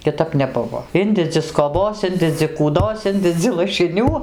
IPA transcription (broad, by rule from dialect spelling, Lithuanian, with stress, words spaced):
kʲɪˈtɐp nʲɛˈbʊʋoː ˈɪnʲdʲɛd͡zʲɪ skoːˈboːs ˈɪnʲdʲɛd͡zʲɪ kuːˈdoːs ˈɪnʲdʲɛd͡zʲɪ lˠɐʃʲɪˈnʲuː